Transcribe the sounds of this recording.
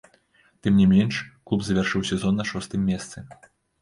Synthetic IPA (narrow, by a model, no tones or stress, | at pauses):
t̪ɨmnʲimʲɛnʂklˠupzɐvʲarʂɨwsʲɛzɔnːɐʂɔst̪ɨmʲːɛst̪sɨ